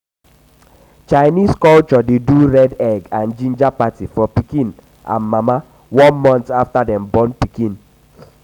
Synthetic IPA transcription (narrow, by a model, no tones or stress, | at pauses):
t͡ʃaɪniskɔlt͡ʃɔdeduɹɛdɛɡãnd͡ʒĩnd͡ʒapatifɔpikĩn | ʔã̰nmama | wɔ̃nmɔ̃ntaftadɛ̃mbɔ̃npikĩn